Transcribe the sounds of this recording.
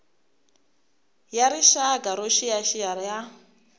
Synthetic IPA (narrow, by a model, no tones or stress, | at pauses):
jaɾiʃaɡʼaɾoʃijaʃijaɾja